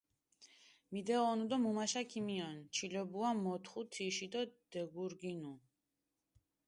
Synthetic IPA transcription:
mid̪ɛɔnud̪ɔmumaʃakʰimiɔnt͡ʃʰilɛbuamɔt̪ʰχut̪ʰiʃid̪ɔd̪̥ɛɡuɾɡinu

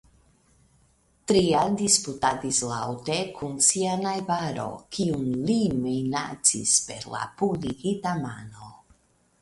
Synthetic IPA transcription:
tɾiandisputadislawte̞kʰunsianajbaɾo̞̰kʰiunlimejna̰t͡sḭspe̞ɾla̰publikitamano̞

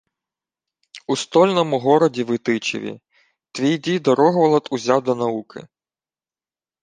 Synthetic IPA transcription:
ust̪ɔlʲnɔmʊɦɔɾɔdʲiʋɪt̪ɪt͡ʃḛʋʲḭ | t̪ʋʲijd̪ʲijd̪ɔɾɔɦʋɔlˠɐt̪uzʲawd̪ɔnɐukʰɪ̰

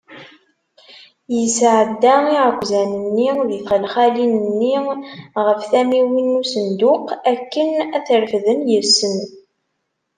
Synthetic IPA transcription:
jəsʕəd̪ːæiʁkʷːzænənːiðiθəlχælinənːiʁəfθæmiwinːusənd̪ʊqækːənæθəɾfðənjəsːən

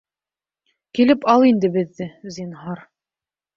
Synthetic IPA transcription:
kilɘpɑlˠind̪ɘbɘ̆ðːɘzinɦɑɾ

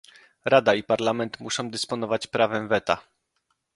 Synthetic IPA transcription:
ɾad̪aipaɾlamɛnt̪muʂɔ̃w̃d̪ɘspɔnɔvat͡ɕpɾavɛmvɛt̪a

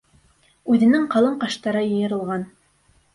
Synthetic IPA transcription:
ʉðɘ̆nɘŋqɑlˠɤɴqɑʃt̪ɑɾɤjɤ̆jɤ̆ɾɤ̆lˠʁɑn

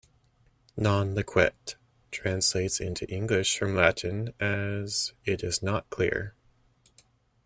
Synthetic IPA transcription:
nɑ̃nlɨkʰw̥ɛ̰tʰ | ɹ̥æ̃nsleɪtsɪ̰̃ntʰʉʔɪ̃ŋɡlɪʃfɹʌ̃mlæʔn̩ɨz̥ɪɾɪznət̚kʰl̥ɪ̰ɹ

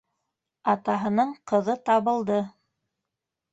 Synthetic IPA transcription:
ɑt̪ɑɦɤ̆nɤɴqɤ̆ðɤt̪ɑβɤ̆lˠd̪ɤ

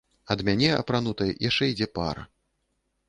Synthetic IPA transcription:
ɐd̪mʲanʲɛɐ̰pɾanut̪ɐjjʔaʂt͡ʂɛid͡zʲɛpa̰ɾɐ̰

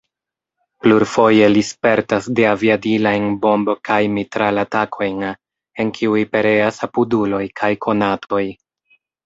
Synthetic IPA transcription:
pluɾfo̞je̞lispe̞ɾtasdeaviadilajnbo̞mbokajmitɾalatakʰo̞jn | e̞nkʰiujpe̞ɾe̞asapudulo̞jkʰajkʰo̞natʰo̞j

